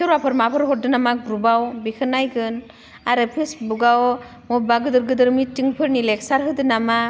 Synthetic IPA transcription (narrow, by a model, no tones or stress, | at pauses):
sʰɯɾapʰɯɾmapʰɯɾɦɔdɯnamaɡɾubawbikʰɯnajɡʰɯn | aɾepʰɯsbuɡaw | mɔbaɡɯdɯɾɡɯdɯɾmitiŋpʰɯɾnilɛk̚saɾɦɯdɯnama